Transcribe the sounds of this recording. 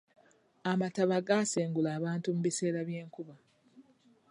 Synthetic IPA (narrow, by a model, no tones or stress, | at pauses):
amataβaɡaseːŋɡulaːβaːntumuβise̞ːɾaβjeːŋkuβa